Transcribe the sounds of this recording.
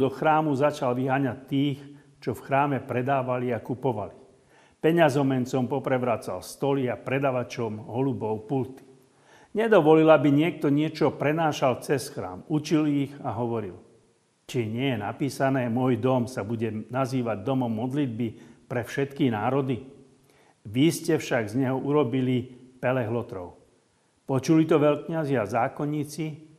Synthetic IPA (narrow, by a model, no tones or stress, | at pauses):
d̪ɔxɾaːmuzat͡ʃalʋiɦaːɲat̚t̪ːiːx | t͡ʃɔfxɾaːmɛpɾɛd̪aːʋaliakupɔʋali | pɛɲazɔmɛnt͡sɔmpɔpɾɛʋɾat͡sa̰lst̪ɔliapɾɛd̪aʋat͡ʃɔmɦɔlubɔʊpult̪i̥ | ɲɛd̪ɔʋɔlilabiɲɪɛk̚t̪ɔɲɪɛt͡ʃɔpɾɛnaːʃalt͡sɛsxɾa̰ːmut͡ʃiliɣaɦɔʋɔɾḭl | t͡ʃiɲɪɛjɛna̰piːsanɛːmʊɔjd̪ɔmsabuɟɛnaziːʋaɟ̚d̪ɔmɔmːɔd̪lid̪̚bipɾɛfʃɛt̪kinaːɾɔd̪i | ʋiscɛfʃaɡzɲɛɦɔʔuɾɔbilipɛlɛɦlɔt̪ɾɔʊ | pɔt͡ʃulit̪ɔʋɛʎkɲaziazaːkɔɲiːt͡si